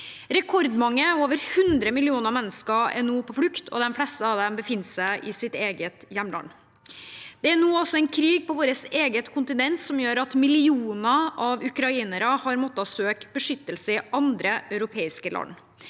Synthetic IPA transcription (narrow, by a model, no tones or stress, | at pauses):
ɾɛkʰɔɾd̪mɑŋːəoːʋəɾhʉnd̪ɾəmɪlɪuːnəɾmɛnːəskəɛ̰nuːpʰɔflʉkt̪ʰɔ̰d̪ɛnflɛst̪əɑʋd̪ɛmbəfɪnːsæɪʔɪsɪt̪eːɡət̪jɛmlɑ̰n | d̪̥ɛænuːɔsɔɛɪnkʰɾiːɡ̚pɔʋoːɾəseːɡət̪kʰʊnt̪ɪnɛnt̪sɔmjøːɾɑt̪mɪlɪuːnəʔɑʋʉkɾɑiːnəɾəhɑɾmɔt̪ːɑsøːkbəʂʏt̪ːəlsəɪʔɑnd̪ɾəʔɑʉɾʊpʰeːɪskəlʔɑ̰n